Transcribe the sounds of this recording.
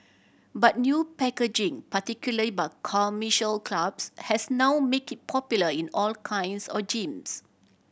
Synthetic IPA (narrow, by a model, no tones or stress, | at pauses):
bat̚njupɛked͡ʒĩŋpatikjuləlibakʰamiʃəlkʰlabshɛsnawmekit̚pʰɔpjuləĩnɔlkʰãj̃nsɔd͡ʒĩms